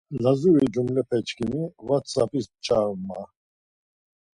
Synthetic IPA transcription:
lazuɾid͡ʒumlɛpʰɛt͡ʃkʰinivat̪sapʰʼist͡ʃʼaɾma

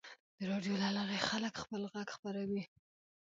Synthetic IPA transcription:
d̪̥əɾɑɖjolalaɾexaləkxpəlɣaɡxpaɾawi

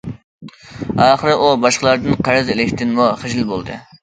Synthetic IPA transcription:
ɑːχəɾɨʔubɑʃqəlˠɑɾd̪ɨnqʰɑɾɨzɪlɪkʲt̪ʰɪnmuχɪʒɪlˠbolˠd̪ɨ̰

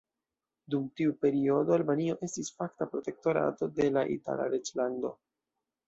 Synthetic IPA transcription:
dumtiupe̞ɾio̞do̞albanio̞ʔe̞stisfaktapɾo̞te̞k̚to̞ɾa̰to̞de̞laʔḭta̰la̰ɾed͡ʒlando̞̰

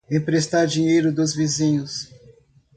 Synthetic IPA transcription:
ẽj̃pɾest̪aɾd͡ʒĩɲejɾʊd̪ʊzvizĩɲʊs

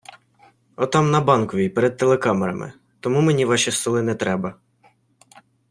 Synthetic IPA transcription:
ɔt̪ɑmnɐbɑnkɔʋʲijpeɾɛd̪̚t̪elˠekɑmeɾɐ̰mɪ̰ | t̪ɔmumenʲiʋɑʃʲist̪ɔlˠɪnɛt̪ɾɛbɐ

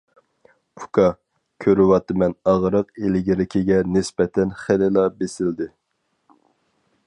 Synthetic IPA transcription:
ukʰɑ | kʲʰøɾwɑt̪ːɨmɛnɑʁɾəqelɪɡʲɪɾɪkʲʰɪɡʲɛnɪsbɛt̪ʰɛnχɪlɪlˠɑbesɪld̪ɪ

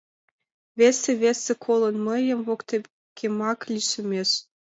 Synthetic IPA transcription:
βesĕβesĕkʰolɤ̆nmə̆jə̆mvokt̪e | kʰemɑklʲiʃɘ̆mʲeʃ

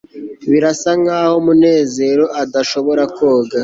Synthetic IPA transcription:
βiɾasaŋaːhomune̞ːze̞ɾo̞ʔadaʃo̞βo̞ɾakʰoːɡa

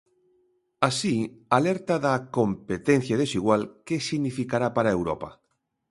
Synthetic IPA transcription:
asialeɾt̪aðakompet̪en̟θjaðesiɣ̞walkesiɣnifikaɾapaɾaewɾo̰pa̰

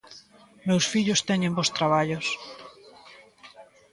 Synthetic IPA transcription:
mewsfiʎʊst̪ɛɲẽmbost̪ɾaβ̞aʎʊs

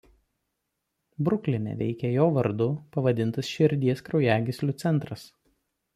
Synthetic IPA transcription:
bɾʊkʲlʲɪmʲɛ̰ʋʲɛ̰ɪkʲɛjoːʋɐɾd̪ʊpɐʋɐd̪ʲɪnt̪ɐsʃʲɪɾʲd̪ʲiɛskɾɒʊjæːɡʲɪsʲlʲʊːt̪sʲɛnˑt̪ɾɐs

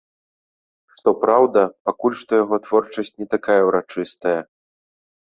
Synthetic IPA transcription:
ʂt̪ɔpɾawd̪ɐpakulʲʂt̪ɔjaɣɔt̪vɔrt͡ʂɐsʲt͡sʲnʲɛt̪akajɐwɾat͡ʂɨst̪ɐjɐ

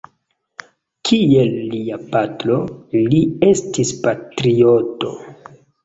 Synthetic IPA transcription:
kʰielːiapatɾo̞liestispatɾioto̞

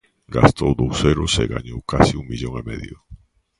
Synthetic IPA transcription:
ɡa̰st̪owðowseɾʊsḛɣa̰ɲowkasiuŋbiʎoŋemeðjʊ

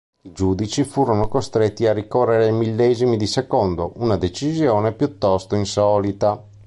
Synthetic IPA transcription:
id͡ʒuːd̪it͡ʃifuːɾonokost̪ɾet̪ːiarːikɔrːeɾeimilːɛːzimid̪isɛkɔnd̪oʔunad̪et͡ʃizjɔːnepjut̪ːɔst̪oinsɔːlit̪a

